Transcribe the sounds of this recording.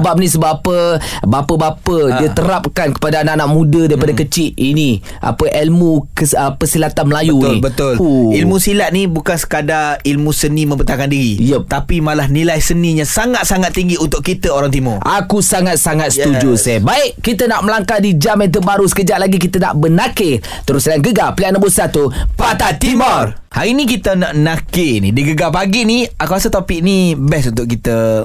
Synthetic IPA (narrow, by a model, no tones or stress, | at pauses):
əbap̚nisəbapəbapəbapəiət̪əɾap̚kankə̥padaːnanaʔmũdədaɾipadakət͡ʃɪʔini | ʔa̰pəʔɛlmukəəpəsilat̪anməlajunḭbət̪ʊlilmũsilat̪̚nibukansə̥kadailmũsənimə̃mbət̪akandiɾijət̪apimalahnilajsəniɲãsaŋat̪̚saŋat̪ːiŋɡiunt̪ʊkːit̪əoɾaŋt̪imʊakusaŋat̪̚saŋat̪̚sət̪ud͡ʒusɛbaɪʔkːit̪ənaʔməlaŋkadid͡ʒamat̪̬ubaɾusə̥kəd͡ʒat̪̚laɡik̬it̪əna̰ʔbənake | t̪əɾʊsdaanɡəɡapliaʔnəbusat̪upat̪at̪imɔrr | haɾinik̬it̪ənaʔnakenḭdiɡəɡapaɡiniakaasat̪opɪʔ̚nibɛsunt̪ʊʔ̚kit̪ə